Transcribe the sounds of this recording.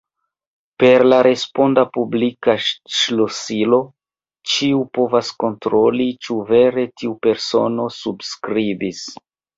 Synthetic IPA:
pe̞ɾlaɾe̞spo̞ndapublikaʃlosilo̞ | t͡ʃiupo̞vasko̞ntɾo̞lit͡ʃuve̞ɾe̞tiupe̞ɾso̞no̞subskɾivis

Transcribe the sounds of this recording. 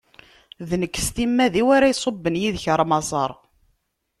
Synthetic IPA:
ðnəkːst̪imːæðiwaɾæjsˤobːənjiðçəɾˤmɑzˤɑɾˤ

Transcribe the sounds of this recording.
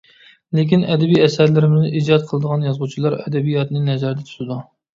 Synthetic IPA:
lekʲinɛd̪ɛbijɛsæɾlɪɾɪmɪznɪʔiːd͡ʒɑt̪̚qʰəlˠəd̪əʁɑnjɑzʁut͡ʃʰilˠɑɾɛ̰d̪ɛbijɑt̪nɨnɛzæɾd̪ɛt̪ʰu̥t̪ɪd̪u

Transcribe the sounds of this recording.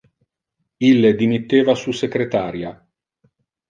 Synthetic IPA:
ilːed̪imit̪ːeːvasusekɾet̪aːɾja

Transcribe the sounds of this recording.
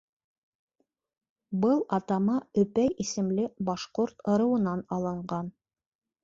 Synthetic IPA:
bɤlˠɑt̪ɑmɑɵ̆pæjisɘ̆mlɘbɑʃqoɾt̪ɤ̆ɾɤ̆wɤ̆nɑnɑlˠɤ̆ɴɢɑn

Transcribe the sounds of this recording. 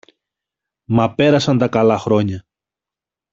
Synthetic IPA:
mɐpe̞ɾɐsɐnd̪ɐkɐlɐxɾo̞ɲɐ

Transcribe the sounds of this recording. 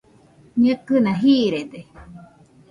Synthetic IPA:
ɲɨkɨnãɦiɾed̪e

